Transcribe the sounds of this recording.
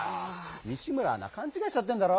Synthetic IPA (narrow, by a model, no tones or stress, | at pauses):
a | niɕ͈imɯɾa̰na̰kʰant͡ɕʰiɡaɕis͈ʌt̚t͈wendaɾo